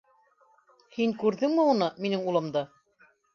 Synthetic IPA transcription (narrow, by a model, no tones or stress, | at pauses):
hiŋkʉɾðɘŋmɘunɤminɘŋulˠɤ̆md̪ɤ